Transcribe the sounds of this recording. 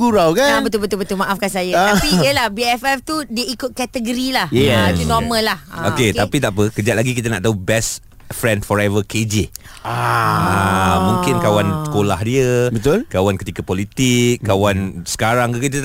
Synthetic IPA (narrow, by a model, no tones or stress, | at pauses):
uɾawkaabət̪ʊlbət̪ʊlbət̪ʊlmãʔafkansajaapijəlahbiɛfɛft̪udiəikʊt̪̚kɛt̪əɡəɾilahatunɔməlːahaoket̪apit̪aʔpəkəd͡ʒat̪̚laɡik̬it̪ana̰ʔt̪aubɛst | fɾɛndfɔɾɛvəkʰed͡ʒi | aamũŋkɪnkawansə̥kolahdiəbət̪ʊlkawankət̪ikapolit̪ɪkkːawansə̥kaɾaŋukit̪̬ə